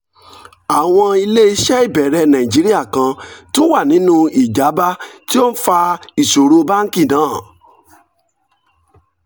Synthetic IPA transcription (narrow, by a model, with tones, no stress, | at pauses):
a˨w̃ɔ̃˧i˧le˦i˧ʃɛ˦i˦˨bɛ˨ɾɛ˧nã˨ĩ˨d͡ʒi˨˦ɾi˦a˦˨kã˧tũ˦wa˦˨nĩ˨˦nũ˧i˨d͡ʒa˨˦ba˦ti˦o˦n̩˦fa˧i˨ʃo˨ɾo˧ba˦ŋ̩˦ki˦˨nãː˨˦˨